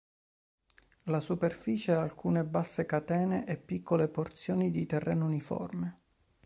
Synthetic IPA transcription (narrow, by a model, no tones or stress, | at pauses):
lasuperfiːt͡ʃeaalkuːnebasːekat̪ɛːneʔepːikʰːoleport̪sjoːnid̪it̪ɛrːɛ̰ːnounifɔ̰rme